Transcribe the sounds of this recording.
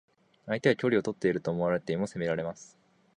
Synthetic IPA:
ait̪eakʲo̞ɾio̞t̪o̞t̪ːe̞iɾɯ̟t̪o̞ːmo̞aɾe̞t̪eimo̞se̞me̞ɾaɾe̞masɨ̥

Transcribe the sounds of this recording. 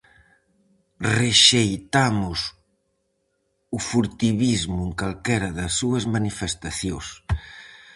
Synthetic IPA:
reʃejt̪amʊs | ufuɾt̪iβizmʊeŋkalkɛɾɐðɐsːuɐzmanifest̪aθjos

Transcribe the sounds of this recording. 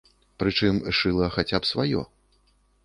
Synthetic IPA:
pɾɨt͡ʂɨmʂɨlˠɐxat͡sʲapsvajɔ̰

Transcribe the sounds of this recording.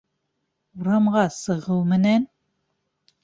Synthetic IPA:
uɾɑmʁɑsɤ̆ʁɤlˠmɘ̆næn

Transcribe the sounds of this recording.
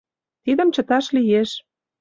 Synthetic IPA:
t̪id̪ə̆mt͡ɕə̆t̪ɑʃlijeʃ

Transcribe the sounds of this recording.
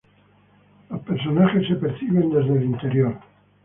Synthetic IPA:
epeɾsonaʝesepeɾθiβend̪ezðelint̪eɾjoɾ

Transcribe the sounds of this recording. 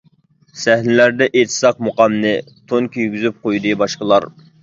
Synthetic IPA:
sæhnɪlæɾd̪ɛʔet̪ʰɨ̥sɑq̚moqɑmnɪ | t̪ʰoŋkʰʲyjɡʲyzyp̚qʰojd̪ɨbɑʃqəlˠɑɾ

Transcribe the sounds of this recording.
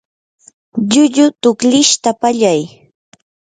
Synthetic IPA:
ʎʊʎʊt̪ʊkʎɪʃt̪apaʎaj

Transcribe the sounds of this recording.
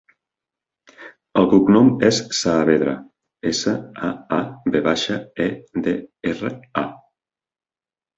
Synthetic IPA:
əlˠkuknomɛssaːβeðɾa̰ | esaaabeβaʃaed̪eerea

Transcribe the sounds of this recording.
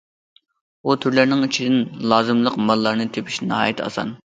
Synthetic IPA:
ut̪ʰyɾlæɾnɪŋit͡ʃʰid̪ɪnlˠɑːzɨmlˠəqmɑlˠːɑɾnɨt̪ʰepʰi̥ʃnɑɑ̰jɛt̪ʰɑ̰sɑ̰n

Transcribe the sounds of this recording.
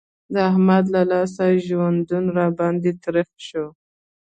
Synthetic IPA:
d̪əahmad̪lalɑsaʒwand̪unɾɑbɑnd̪et̪ɾəxʃo

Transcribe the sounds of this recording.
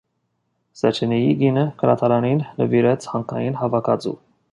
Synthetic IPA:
sɛt͡ʃʰɛnijiɡinəkʰəɾɑ̰t̪ʰɑɾɑninːəviɾɛt͡sʰhɑŋkʰnɑjinɦɑvɑkʰɑd͡zṵ

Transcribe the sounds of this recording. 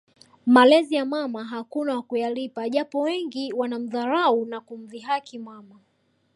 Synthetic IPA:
malɛzijamamaɦakunawakujalipaʄapɔwɛŋɡiwanam̩ðaɾaunakum̩viɦakimwama

